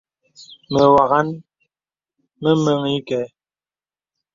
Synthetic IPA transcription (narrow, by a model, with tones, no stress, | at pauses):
mə˨wa˨ɣa˦n | mə˦mə˦ŋi˦kɛ˨˦